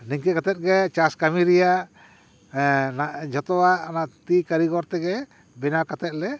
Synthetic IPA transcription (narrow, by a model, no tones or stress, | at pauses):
niŋkɛkat̪ɛt̪̚ɡɛt͡ʃaskamiɾijaʔ | naʔd͡ʒɔt̪ɔwaʔnaʔt̪ikaɾiɡɔɾt̪ɛɡɛ | bɛnawkat̪ɛt̪̚lɛ